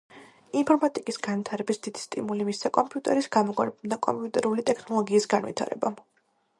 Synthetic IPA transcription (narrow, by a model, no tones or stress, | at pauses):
inpʰɔɾmat̪ʼikʼisɡanvit̪ʰaɾɛbisd̪̥id̪i̥st̪ʼimulimisakʼɔmpʼiut̪ʼɛɾisɡ̥amɔkʼwaɾpmd̪akʼɔ̰mpʼiut̪ʼɛɾulit̪ʼɛkʰnɔlˠɔɡiːsɡanvḭt̪ʰa̰ɾɛ̰ba